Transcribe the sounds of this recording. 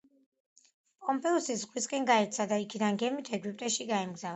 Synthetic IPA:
pʼɔmpʼɛɔsisʁwiskʼɛnɡaɛɾt̪sʰad̪aikʰid̪anɡɛmit̪ʰɛɡwipʼt̪ʼɛʃiɡaɛmɡzav

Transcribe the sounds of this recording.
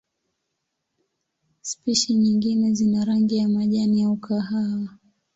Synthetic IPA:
spiʃiɲiŋɡinɛzinaɾaŋɡijamaʄanijaukʰaɦawa

